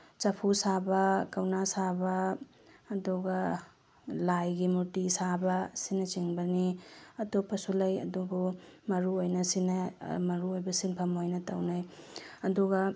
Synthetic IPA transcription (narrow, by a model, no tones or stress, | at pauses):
t͡ʃɐpʰusabɐkɐwnasabɐː | duɡɐ | lajɡimutisabɐsinɐt͡ʃiŋbɐniɐtopːɐsulɐjɐ̰dubumɐɾuojnɐsinɐmɐɾuojbɐsiŋpʰɐmojnɐtɐwnajɐduɡɐ